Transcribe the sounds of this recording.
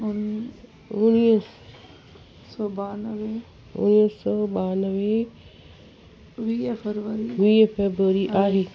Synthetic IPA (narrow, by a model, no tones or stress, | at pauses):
ʊn | ʊniːəs | sɔːbaːnəʋe | ʊ̰ñisɔːɓaːnəʋe | ʋiːfeɾʋəɾiʋiːfebɾuəɾiʔaːɦeː